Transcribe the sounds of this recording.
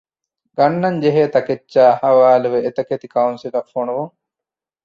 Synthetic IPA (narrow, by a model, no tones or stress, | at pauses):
ɡɐnːɐɲd͡ʒeɦeːt̪ɐket͡ʃːʃaːhɐʋaːluʋeet̪ɐket̪ikɐunsilɐfːonuʋuŋ